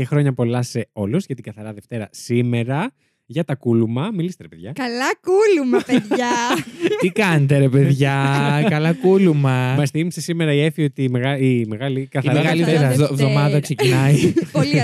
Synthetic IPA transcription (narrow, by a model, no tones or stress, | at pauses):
exɾo̞ɲɐpo̞lɐse̞o̞luzʝɐt̪iɡɐθɐɾɐðe̞ft̪e̞ɾɐsime̞ɾɐ | ʝɐt̪ɐkulumɐmilist̪eɾepeðʝɐkɐlɐkulumɐpeðɐ | t̪ikɐnet̪eɾepe̞ðʝɐkɐlɐkulumɐmɐsθimisesime̞ɾɐie̞fio̞t̪imeɣɐime̞ɣɐlikɐθiɐɾmeɐɣɐɐlfeɾɐvðomɐðɐksecinɐipoli